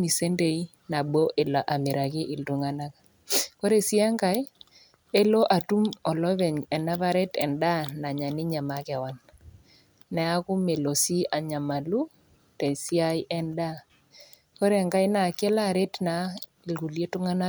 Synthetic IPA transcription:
mi˨se˦nde˨i˦ | na˨bo˦ʔe˨la˨ʔa˨me˨ɾa˨kɪ˦ʔi˨ltu˨ŋa˦na˦ka˨ | kɔ˦ɾe˨si˦a˦ŋɡa˨j | e˦lo˦ʔa˨tu˦mɔ˨lɔ˦βɛ˨ɲɛ˨na˦βa˦ɾe˦tɛ˨nda˦na˨ɲa˨nɪ˦ɲa˨ma˨kɛ˨wa˦nː | ɛ˨a˦kʊ˦me˨lo˨si˦a˨ɲa˨ma˨lu˦ | te˨si˦a˦jʔɛ˦nda˦ | kɔ˦ɾe˦˨ŋɡa˦jna˨kɛ˦la˦˨ɾe˦tna˨ | i˨lɡu˨lje˦tu˦ŋa˦na˦

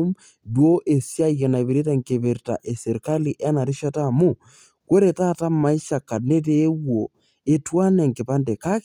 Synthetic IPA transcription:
m | dwo˦ʔe˨sja˦i˨ɣe˨na˨be˨ɾi˦t̬a˦ŋke˨be˨ɾta̰˨ʔe˨se˨ɾka˦li˨ʔɛ˦na˨ɾi˦ʃa˦ta˦˨mu˦˨ | ko˦ɾe˨ta˦˨ta˦ma˨i˦ʃa˨ka˨ne˦t̬eː˦wwo˨ | e˨twa˦nɛ˨ŋkɪ˨pa˦nde˨ka˦k

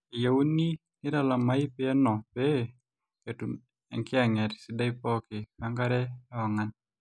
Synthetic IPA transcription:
i˨ja˨u˦ni˦ | nɪ˦da˨la˨ma˦ɪ˦pɪɛ˦nɔ˨be | ke˨tu˨n | ɛ̰˨ŋkɪ˦a˨ŋɛ˨ɾsɪ˦da˦ipɔ˦kɪ˨ka˦ŋka˦ɾɛ˦ɔ˨ŋa˨n

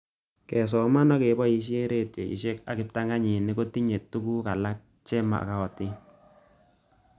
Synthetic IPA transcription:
kɛ˨s̬ɔ˨ma˦nɔ˦ke˨bɔ˦i˨ʃ̬e˦ɾe˦˨tjḛ˨ḭ˨ʃe˦ka˨kɪ˨p̚ta˦ŋa˦ɲi˨ni˦ko˦ti˦ɲe˨tːu˦ku˦ka˨la˦k̚ | t͡ʃɛ˦ma̰˨ka˦ɔ˨ti˦n

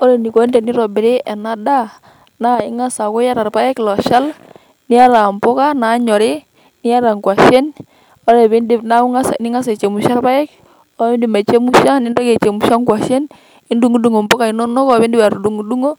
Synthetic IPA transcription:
ɔ˦ɾɛ˨ni˨ko˨˦ndɛ˨ni˦ɾɔ˨bɪ˨ɾɪ˦ɛ˨na˦da˦ | na˦ɪ˦ŋa˦sa˨kʊ˦ja˦ɾa˨rpa˦ɛ˦klɔ˨ʃa˦l | nɪ˦a˦ɾa˨mpʊ˦ka˦na˨˦ɲɔ˨ɾɪ˦ | nɪ˦a˦ɾa˨ŋkwa˨ʃɛ˦n | ɔ˦ɾɛ˨βe˦ndɪ˦pna˦u˦ŋa˦sa̰˨nɪ˦ŋa˦s̬a˨t͡ʃe˨mu˨ʃa˦rpa˦ɛ˦k | ɔ˦ɪ˦ndɪ˨ma˨t͡ʃe˦mu˦ʃa˦nɪ˦ndɔ˦ke˨t͡ʃe˨mu˨ʃa˦ŋkwa˨ʃɛ˦n | ɪ˦ndu˦ŋu˦du˦ŋo˨mbʊ˦ka˨i˦nɔ˦nɔ˦kɔ˦˨βɪ˦ndɪ˦ba˨ɾu˨du˨ŋu˨du˦ŋo˦

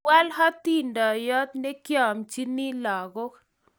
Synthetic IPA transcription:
wa˦lɦɔ˦t̪i˦ndɔ˨jɔ˦t̪ne˦kjɔ˨mt͡ʃi˦ni˦lɔ˨ɡo˦

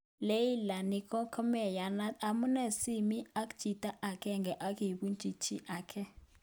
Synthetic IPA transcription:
le˦ji˦la˨ni˦kɔ˦kʰɔ˦mɛ˨ja˨na˦ta˨mu˦nɛ˨si˦mi˦a˦k̬u̥ʒ̥ʱi˨tʼa˦ʔa˨kʰɛ˦ŋɡʱɛ˨ʔa˦kʰi˨ɓu˦nt͡ʃʼi˨t͡ʃʰi˦ʔaːkʰɛ˦

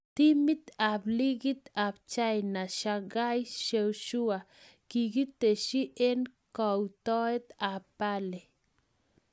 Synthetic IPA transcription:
t̪i˦mi˦t̪a˨bli˦ɡi˦t̪a˨b̚t͡ʃa˦jna˨ʃa˧ɡa˦jʃe˧wʃu˦a˨ | ki˨ɡi˦t̪e˨ʃi˦ʔe˦nkɔ˨wt̪ɔ˦e˦t̪a˨pa˦le˨

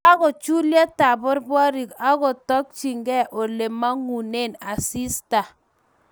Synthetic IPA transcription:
a˦ko˨t͡ʃu˦lja˦ta˨bʊ˦ɾbwɔ˦ɾi˨ka˦kɔ˨tɔ˦k̚t͡ʃi˨ŋɡɛ˦˨ʔo˨le˨ma˦ŋu˨ne˦˨na˨si˦sta˨

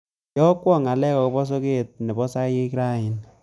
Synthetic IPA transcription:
jɔ˦kwɔ˦˨ŋa˨lɛ˦kɔ˨ko˦bɔ˦s̬o˦ke˦˨t̚ne˨bɔ˦sa˦je˦kɾa˦˨ɪ˨n

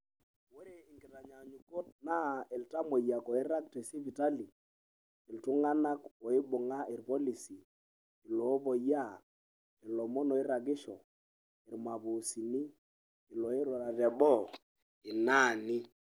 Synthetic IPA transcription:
wo˦ɾe˨i˨ŋɡi˨ɾa˨ɲa˨ɲu˨ko˦t̚na˦e˨lta˦mo˨ja˨kɔ˨i˦ɾa˦k̚te˨si˦vi˨ta˦li˨ | i˨ltu˦ŋa˦na˦kɔ˨i˦bʊ˨ŋa˦ʔi˨ɾpɔ˦li˨siː˨ | lɔ˨˦bo˨ja˦˨ | i˨lɔ˨mɔ˦nɔ˨i˦ɾa˨ɡɪ˦ʃɔ̰˨ | i˨ɾma˨βu˨si˨ni˦ | i˨lɔ˨e˦ɾwa˨ɾa˨tɛ˨bɔ˦˨ | i˨na˦˨ni˦

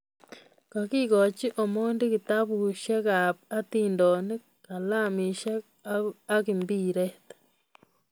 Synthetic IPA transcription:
ka˨ki˦ɡo˨t͡ʃi˦ʔo˨mo˦ndi˦ki˧t̪a˦bu˧ʃa˦ɡa˨p̚a˦t̪i˧nd̪o˨ni˦ | ka˨la˦˨mĩ˧ʃa˦ | a˦ki˨mbi˦˨ɾe˦t̪ḁ˨

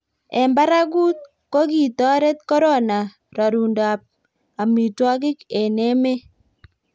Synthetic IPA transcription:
ɛ˨mba˦ɾa˦ɡu˦t̪̚ | ko˦ki˨tɔ˦ɾe˦t̪̚kɔ˦ɾo˦na˨ | ɾɔ˨ɾu˨nda˨p̚ | a˨mi˨twɔ˦k̬ɪ˦ke˨nɛ˦me˦

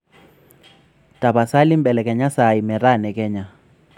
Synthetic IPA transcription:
ta˨ba˨sa˦li˦mbɛ˨lɛ˨kɛ˨ɲa˦sa˨i˨mɛ˨ɾa˦˨nɛ˨kɛ˦ɲa˨

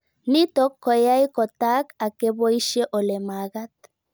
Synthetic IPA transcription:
ni˦tɔ˦kʰːɔ˨ja˦i˦kɔ˨ta˦ka˨ke˦βo˦i˦ʃe˦ʔo˨le˨ma˨ɣa˦t

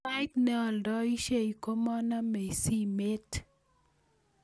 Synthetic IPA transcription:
a˦jtnɛ˦ɔ˨ldɔ˦i˦ʃe˦i˨ko˦mɔ˦na˦me˨i˨si˦me˦t

